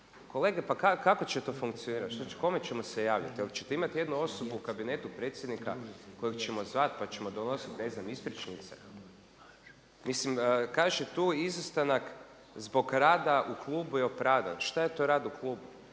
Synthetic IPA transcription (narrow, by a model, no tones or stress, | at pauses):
ko̞le̞ːɡepakakako̞t͡ɕet̪o̞fuŋkt̪sioniːɾat̪ʃt̪oko̞me̞t͡ɕe̞mo̞se̞jaːʋʎʲa̰t̪alit͡ʃet̪eimat̪je̞d̪nuo̞so̞buukabine̞t̪upɾe̞t̪sʲje̞d̪nika̰ko̞jekt͡ʃe̞mo̞zʋat̪pat͡ɕe̞mo̞d̪o̞no̞sit̪ne̞znamispɾit͡ʃnit̪sḛ | mislimːkaʒet̪uːizast̪anak | zbo̞ɡɾaːd̪aʔuklˠuːbujeopɾaːʋd̪a̰nʃt̪ajet̪o̞ɾaːd̪uklˠuːbu